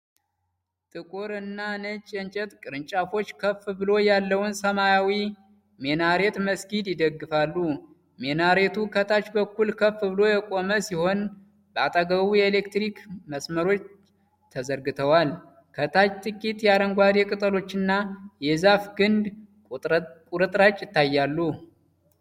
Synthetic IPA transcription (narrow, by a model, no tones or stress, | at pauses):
t̪ʼɨkʼoɾɨnːanət͡ʃʼːɛnt͡ʃʼɛt̪ʼkʼɨɾɨnt͡ʃʼafo̞t͡ʃːkʰəfbɨlo̞jalːəwʊnsəmajawi | menaɾe̞t̪məsɡid̪jɪd̪əɡːɨfalːu | menaɾe̞t̪ʰukʰət̪ʰat͡ʃbəkːulkʰəfɨβɨlo̞jɛkʼo̞məsiho̞n | bəat̪ʼaɡəβujɛele̞kt̪ɾikməsməɾo̞t͡ʃː | t̪ʰəzəɾɡɨt̪ʰəwal | kʰət̪ʰat͡ʃt̪ʼɨkʼit̪jaɾəŋɡʷad̪jɛkʼɨt̪ʼəlo̞t͡ʃːɨnːajɛzafɡɨnd̪ | kʼuɾɨt̪ʼɾat͡ʃʼːjɪt̪ːajːalːu